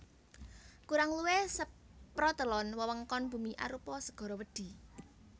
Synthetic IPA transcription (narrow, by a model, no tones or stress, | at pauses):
kuɾaŋluwesəpɾɔd̪ə̤lɔnwəwəŋkɔnb̥ṳmiʔa̰ɾupɔsəɡ̥ɔ̤ɾɔwəɖ̪̥i̤